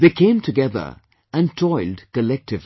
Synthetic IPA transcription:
ðeɪkʰẽɪ̃mtʰɨɡɛðə̰˞ | ɨ̃ntʰɔɪlˠdkɨlɛk̚tɨv

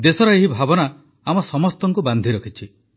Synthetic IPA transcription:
d̪esɔɾɔeɦibʱabɔna | amɔsɔmɔst̪ɔŋkuband̪ʱiɾɔkʰit͡ʃʰi

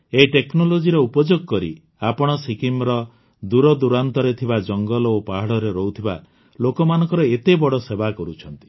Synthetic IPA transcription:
eʈeknolod͡ʒiɾɔupɔd͡ʒoɡɔkɔɾḭ | apɔɽ̃ɔsikimɾɔ | d̪uɾɔd̪uɾant̪ɔɾet̪ʰibad͡ʒɔŋɡɔlɔopaɦaɽɔɾeɾɔɦut̪ʰiba̰ | lokɔmanɔ̃ŋkɔɾɔet̪ebɔɽɔsebakɔɾut͡ʃʰɔnt̪i̥

